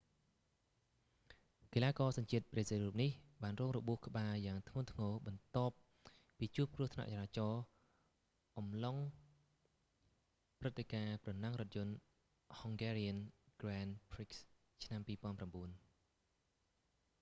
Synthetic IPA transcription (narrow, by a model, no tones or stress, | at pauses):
kelaːkɑːsɑɲt͡ɕiət̪̚presiɾuːp̚nihɓaːnrɔːŋrɔɓuəhkə̆ɓaːjaːŋt̪ʰŋʊənt̪ʰŋɔːɓɑnt̪ŏəp̚ː | iːt͡ɕuəp̚kruəht̪ʰna̰ʔt͡ɕaɾaːt͡ɕɑː | ʔɑmloŋ | prɨt̪ʰːekaːprɑnaŋrŏət̪̚jʊ̆ən | hɔŋɡeːriənɡ̥rɛnpʰriks | t͡ɕʰnampiːpŏənpramɓuən